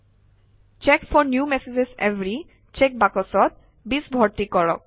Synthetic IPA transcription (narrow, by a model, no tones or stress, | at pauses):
t͡ʃekfɔɹnjumɛsed͡ʑesevɹi | t͡ʃek̚bakɔsɔt̪̚ | bisbʱɔɹt̪ikɔɹɔk̚